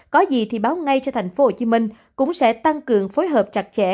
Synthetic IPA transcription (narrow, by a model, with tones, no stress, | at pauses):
kɔ˨˦zi˨˩t̪ʰi˨˩ɓaː˨˦wŋa˧jt͡ɕɔ˧t̪ʰa˨˩jŋ̟fo˨˦ho˧˩t͡ɕi˨˦mï˧ŋ̟ | kʊ̰˧˥ŋ͡msɛ̰˧˥t̪a˧ŋkɨ˨˩əŋfo˨˦jɦəː˨˩p̚t͡ɕa˨˩t̚t͡ɕɛ̰˧˩˨